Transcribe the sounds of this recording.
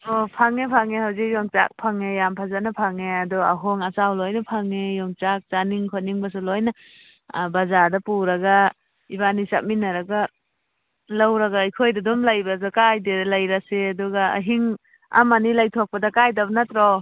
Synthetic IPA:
ɔpʰaŋepʰaŋehawzik̚jɔŋt͡ʃa̰k̚pʰaŋejampʰazanapʰaŋeadɔa̰ɦɔŋasawlɔjnɐpʰaŋejɔŋt͡ʃak̚t͡ʃaniŋkʰɔt̚niŋbɐs̬ulojna | bazadɐpuɾaɡa | ibanisap̚minaɾaɡa | lawɾaɡaijkʰojdɐdɔmlajbas̬akajdelajɾaseaduɡaa̰ɦiŋ | a̰manilajtʰɔk̚pɐdɐkajdabnatɾɔ

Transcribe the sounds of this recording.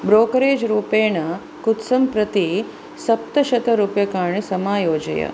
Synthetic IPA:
bɾoːkɐɾeːd͡ʒɾuːpeːɳɐ | kut̪sɐmpɾɐt̪i | sɐp̚t̪ɐʃɐt̪ɐɾuːpjɐkaːɳisɐmaːjoːd͡ʒɐ̰jɐ̰

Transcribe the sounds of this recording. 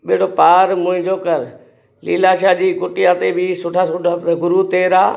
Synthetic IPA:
ɓɪɦɪɽopaːɾmʊ̃ɦɪ̃ɲd͡ʑokɐɾ | liːlaːʃaːd͡ʑiːkʊʈɪjat̪ebʱɪsʊʈʰasʊʈaɡʊɾut̪eːɾaː

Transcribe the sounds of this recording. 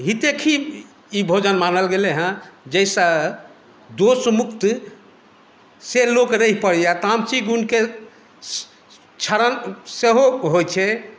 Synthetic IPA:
ɦit̪ekʰi | ibʱod͡ʒənmanəlɡeleɦə̃d͡ʒəjsa | d̪osmukt̪ | selokɾəpəɽiat̪amt͡ʃiɡunke | t͡ʃʰəɾənseɦoɦojt͡ʃʰɛ

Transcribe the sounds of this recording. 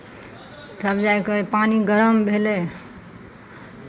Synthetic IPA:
t̪ʰəbd͡ʒajkepaniɡəɾəmbʱelɛ

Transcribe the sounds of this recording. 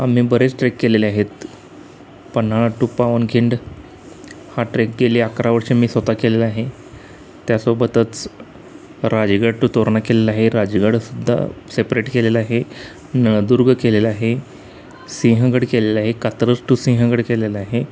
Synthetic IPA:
am̤iːbəɾet͡sʈɾekːeleliaɦet̪ | pənaɭaʈːupaʋənkiɳɖ | haʈɾek̚ɡeliːakɾaʋəɾɕemiːsʋət̪akelelaɦe | t̪jasobət̪ət͡s | ɾad͡ʑɡəɽʈut̪oɾɳakelelaɦeɾad͡ʑɡəɽsud̪ʱːa̰sepɾeʈkelelaɦe | nəɭd̪uɾɡʱkelelaɦe | sĩɦəɡəɽkelelaɦekat̪ɾəsʈusĩɦəɡəɽkelelaɦe

